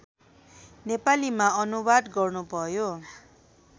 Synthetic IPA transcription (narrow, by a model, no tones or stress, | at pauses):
nepalimaʌnubad̪ɡʌrnubʱʌjo